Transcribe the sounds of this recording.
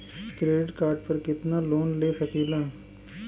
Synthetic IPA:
kɾeːɖɪʈkaːɾɖ̚pɐɾkɪt̪naloːnleːsɐkiːlãː

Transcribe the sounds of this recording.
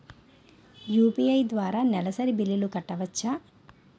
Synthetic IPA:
juːpijɐjd̪ʋaːɾaːnɛlɐsɐɾibilːilukɐʈːɐʋɐt͡ʃːa

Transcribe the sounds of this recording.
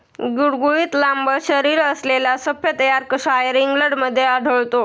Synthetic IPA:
ɡuɽɡuiːt̪lambəɕəɾiːɾəslelasəfjət̪əjaɾkəʂajəɾiŋɡləɽməd̪ʱːjeaɖʱəɭt̪o

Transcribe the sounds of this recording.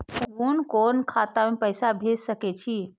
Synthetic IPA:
konkonkʰat̪amepəɪsabʱed͡ʒsəkɛt͡ʃʰi

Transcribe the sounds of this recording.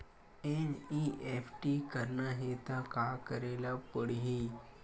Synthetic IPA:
eniʔefʈikəɾnaɦet̪akakəɾelapəɽiɦi

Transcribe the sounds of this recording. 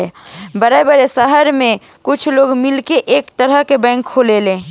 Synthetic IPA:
bəɾəbəɾesəɦəɾmẽ | kʊt͡ʃʰloːɡmɪlkeʔeːkt̪əɾəɦkebɛ̃ɪŋkʰːoːlelẽː

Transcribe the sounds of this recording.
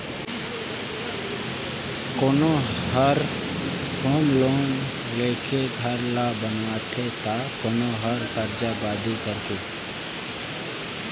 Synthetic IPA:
koːnõːɦəɾ | hoːmloːn | leːkʰeɡ̪ʱəɾlaːbənwaːt̪ʰeːt̪aːkoːnõːɦəɾt̪əɾd͡ʒaːbaːd̪iːkəɾkeː

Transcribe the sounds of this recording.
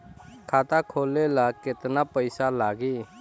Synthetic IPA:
kʰaːt̪akʰoːlelakɪt̪napəɪsalaːɡiː

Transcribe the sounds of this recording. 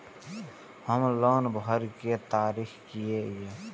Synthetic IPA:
həmloːnbəɾket̪aːɾiːxkijee

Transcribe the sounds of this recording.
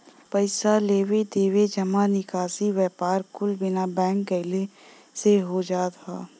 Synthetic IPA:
pəɪsaleːwed̪eːwed͡ʒəmanɪkaːsiwjɛːpaːɾkʊlbɪnabɛ̃ːŋkːəɪle | seɦod͡ʒaːt̪ʰaː

